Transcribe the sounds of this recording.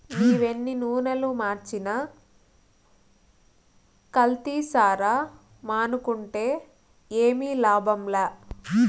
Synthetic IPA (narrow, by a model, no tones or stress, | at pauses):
niːʋenːinuːnɐlumaːɾt͡ʃinɐ | kɐlt̪iːsaːɾaː | maːnukuɳʈe̞ː | eːmiːlaːbɐmlaː